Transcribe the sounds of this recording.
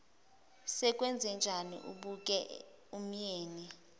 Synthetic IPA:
sɛk̬ʼwɛnd͡zʱɛnd͡ʒʱanḭʔṵɓuk̬ʼɛ | um̩jeːni

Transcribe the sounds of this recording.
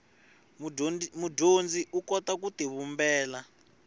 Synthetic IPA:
mudond͡ziʔukɔtakutiβumbɛːla

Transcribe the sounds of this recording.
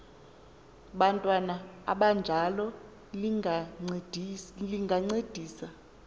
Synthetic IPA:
ɓantʼwanaa̰ɓand͡ʒʱalɔ | dliŋɡʱaŋ͡ǀed̥ʱiːsa

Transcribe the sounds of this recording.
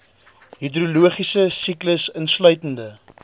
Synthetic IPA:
ɦidruluəχisəsikləsənslœɥtəndə

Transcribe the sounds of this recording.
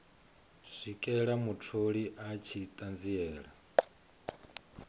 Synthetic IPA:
sʷikʼɛɺamutʰoɺiʔat͡ʃʰit̪ʼand͡ziɛːɺa

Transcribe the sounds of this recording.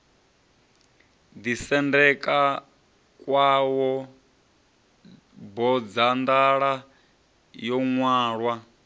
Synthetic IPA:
d̪isɛndɛkʼa | kʼwawɔ | bɔd͡zand̪aɺa | jɔŋwaːɺwa

